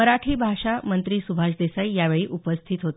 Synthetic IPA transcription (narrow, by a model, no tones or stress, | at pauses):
əɾaʈʰiːbʱaʂamənt̪ɾiːsubʱaʂd̪esaijaʋeɭiːʔupəst̪ʰit̪ɦot̪